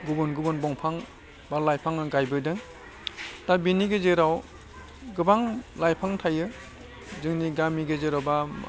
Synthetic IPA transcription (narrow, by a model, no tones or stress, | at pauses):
ɡubɯnɡubɯnbɔŋpʰaŋ | baɾlajpʰaŋnɯɡajbɯdɯŋ | tabiniɡɯzeɾaw | ɡɯbaŋlajpʰaŋtʰajɯ | zɯŋniɡamiɡɯzeɾawba